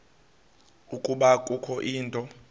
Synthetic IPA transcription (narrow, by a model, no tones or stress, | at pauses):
ukʼuɓakʼukʰɔʔiːntʼɔ